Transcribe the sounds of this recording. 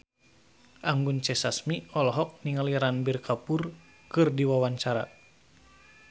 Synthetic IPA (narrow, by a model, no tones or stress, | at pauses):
ʔaŋɡunt͡ʃɛsasmiɔlɔɦɔk̚niŋaliɾanbirkʰapur | kɨrdiwawaɲt͡ʃaɾa̰